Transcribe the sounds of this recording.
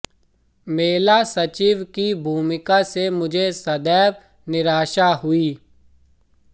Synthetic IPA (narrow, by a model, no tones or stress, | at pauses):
meːlasɐt͡ʃiːʋkibʱuːmɪkasemʊd͡ʒʱesɐd̪ɛːʋ | nɪɾaːʃaɦʊiː